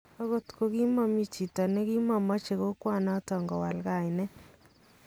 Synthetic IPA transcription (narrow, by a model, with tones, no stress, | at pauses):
ɔ˦ɣo˦tko˨ɡi˦ma˦mi˦t͡ʃi˨ta˨nɛ˦ɡi˦ma˨ma˦t͡ʃe˨ɣo˦kwa˦nɔ˦tɔ˨ŋɡɔ˨wa̰˨lɡa˦˨ɪ˨nɛ˦